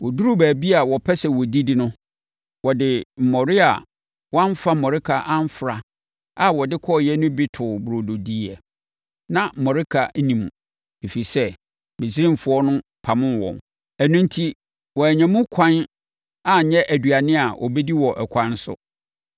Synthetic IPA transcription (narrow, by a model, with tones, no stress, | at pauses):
wɔ˨du˦ɾu˦bæː˨bi˦a˨wɔ˨pʰɛ˦sɛ˨wɔ˨di˦dɪ˨nʊ̃˦ | wɔ˨dɪ˨m̩˨mɔ˨ɾɪ˦a̰˨ | wã˦m˦fa˦mɔ˨ɾɪ˦kʰa˨ʔã˦m˦fɾa˨ | a˨wɔ˨dɪ˦kʰɔ˦˨jɛ˦nʊ̃˦bɪ˦tʰʊ˨bɾo˨do˨di˦˨ɛ˨ | nã˦˨mɔ˨ɾɪ˦kʰa˨˦nĩ˨mṵ̃˨ | e˨fi˨sɛ˦ | be˨si˦ɾɪ̃˦m˨fʊ˦ɔ˦nʊ̃˦ | pʰa˨mʊ̃˦n˦wɔ̰̃˨m | æ˨nũ˦n˦tʰi˦ | wɔ˨æ˨ɲɛ̃˨mʊ̃˦kʰã˦n | a˨ɲɛ̃˦ʔæ˨dɥa˨nɪ̃˦a˨ʔɔ̰˨be˦di˦wɔ˨ʔɛ˨kʷʰã˦n˦sʊ̰˦